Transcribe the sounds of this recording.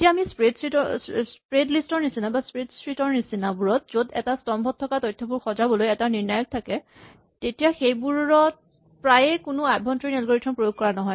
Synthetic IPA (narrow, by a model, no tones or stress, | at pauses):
etijaːmispɹedsɹitɔspɹedlistɔɹnisinabaspɹedsɹitɔɹnisinabuɹɔtzodɛ̰tastɔmbʱɔtʰːɔkatɔjtʰːɔbuɹxɔzabɔlojɛtaniɹnajɔk̚tʰakɛ | tetijaxejbuɹɔt̚ | pɹajɛkʊnʊajbʱɔntɹiɹnɔlɡoɹiktʰɔnpɹojoɡ̚kɔɹanɔɦɔj